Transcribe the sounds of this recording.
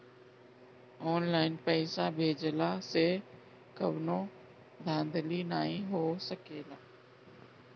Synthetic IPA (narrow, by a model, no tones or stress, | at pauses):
oːnlaːɪnpɛːsaːbʱeːd͡ʒlaːseː | kəʋnõː | d̪ʱãːnd̪liːnaːĩːɦoːsəkeːlaː